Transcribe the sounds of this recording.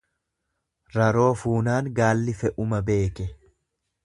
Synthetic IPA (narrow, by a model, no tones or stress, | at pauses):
ɾɐɾo̞ːfuːnaːŋɡaːlːɪfɛʔʊmɐbe̞ːkɛ